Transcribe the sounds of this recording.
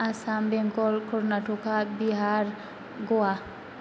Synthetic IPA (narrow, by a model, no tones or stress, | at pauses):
asambɛŋkɔlkʰɔɾnaʈokabiɦaɾ | ɡoa